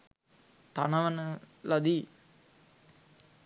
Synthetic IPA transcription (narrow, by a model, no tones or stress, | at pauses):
t̪anaʋənə | lad̪i